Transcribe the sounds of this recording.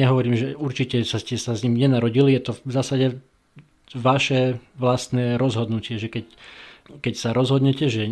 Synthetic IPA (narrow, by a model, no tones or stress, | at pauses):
ɲɛɦɔʋɔɾiːmʒɛuɾt͡ʃicɛsascɛsazɲimɲɛnaɾɔɟilijɛt̪ɔvzaːsaɟɛ | ʋaʃɛʋlast̪nɛːɾɔzɦɔd̪nucɪɛʒɛkɛc | kɛcsaɾɔzɦɔd̪ɲɛcɛʒɛ